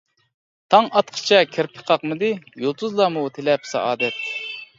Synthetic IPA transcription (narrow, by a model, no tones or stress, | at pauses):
t̪ʰɑŋɑt̪qʰə̥t͡ʃʰɛkʲʰɪɾpʰə̥qʰɑqmɨd̪ɪjolˠt̪ʰuzlˠɑmut̪ʰelɛpsɑ̰ʔɑːd̪ɛt̪ː